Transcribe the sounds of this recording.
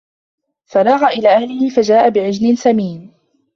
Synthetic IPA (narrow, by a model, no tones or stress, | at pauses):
faɾˤɑːɣaʔɪlaːʔahlɪhɪfad͡ʒaːʔabɪʕɪd͡ʒlɪnsamiːn